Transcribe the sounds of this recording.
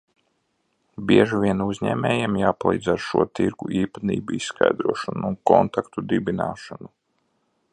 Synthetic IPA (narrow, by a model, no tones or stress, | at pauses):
bʲiɛʒuʋiɛnuzʲɲɛ̰ːmʲɛːjɛmjaːpalˠḭːd̪zaɾʃuɔt̪iɾɡuʔiːpat̪ḭːbuissːka̰jd̪ɾuɔʃɔnuːnkɔnt̪akt̪ud̪ibina̰ːʃanu